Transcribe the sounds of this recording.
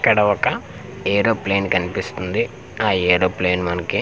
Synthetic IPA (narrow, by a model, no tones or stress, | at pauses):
kːɐɽɐɔkɐ | eːɾoːple̞ːnkɐnipist̪und̪i | aːeːɾoːpleːnmɐnɐki